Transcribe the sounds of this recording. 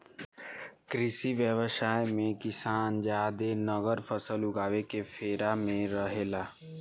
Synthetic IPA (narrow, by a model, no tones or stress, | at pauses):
kɾɪsiʋjəʋsaːjmẽkɪsaːnd͡ʒaːd̪enəɣəɾfʰəsəlʊɡaːʋekefʰeːɾamẽɾəɦeːlaː